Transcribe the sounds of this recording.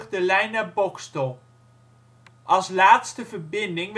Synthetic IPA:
χdəlɛjnabɔkstəlˠ | ʔɑlˠslaːtstəvərbɪndɪŋʋ

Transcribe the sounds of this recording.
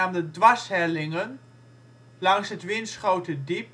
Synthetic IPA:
aːmdədʋɑsɦɛlɪŋən | lɑŋsɦətʋɪnsχowtədip

